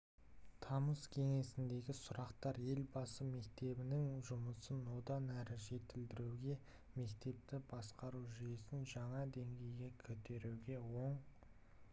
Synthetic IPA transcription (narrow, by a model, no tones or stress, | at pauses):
t̪ʰɑməskʲʰe̞ŋe̞sɪnd̪e̞ɡʲɪsʊɾɑqt̪ɑɾje̞lbɑsəme̞k̚t̪e̞bɪnɪŋʒʊməsənwo̞d̪ɑnæɾɪʒe̞t̪ɪld̪ɪɾuwɡʲe̞ | me̞kt̪e̞p̚t̪ɪbɑsqɑɾuʒijesɪnʒɑɴɑd̪e̞ŋɡʲe̞jɡʲe̞kʲʰɵt̪e̞ɾuɡʲe̞wo̞ɴ